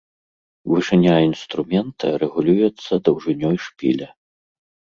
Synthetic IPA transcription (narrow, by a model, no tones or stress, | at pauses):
vɨʂɨnʲainst̪ɾumʲɛnt̪ɐɾɛɣulʲujɛt̪sːɐd̪ɐwʐɨnʲɔjʂpʲḭlʲɐ